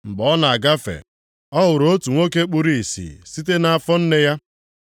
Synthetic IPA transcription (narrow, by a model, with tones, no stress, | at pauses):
ŋ͡m̩˨ɡ͡bɔ˨ɔ˦na˨a˨ɡa˦fḛ˨ | ɔ˦ɦʊ˨ɾo˦tu˨ŋʷo˦ke˦k͡pu˦ɾi˨i˨sḭː˨si˦t̬e˦na˦a˦˨fɔ˦n̩˦ne˦ja˦